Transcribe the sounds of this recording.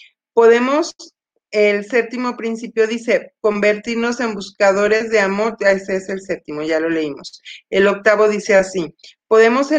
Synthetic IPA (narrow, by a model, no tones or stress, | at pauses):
po̞ðe̞mo̞s | else̞p̚t̪imopɾinsipjo̞ðise̞ko̞mbe̞ɾt̪iɾno̞se̞mbuskað̞o̞ɾe̞zðe̞amo̞ɾeseeselse̞p̚t̪imo̞ʝalo̞le̞imo̞̰selo̞k̚t̪aβo̞ðise̞asipo̞ðe̞mo̞se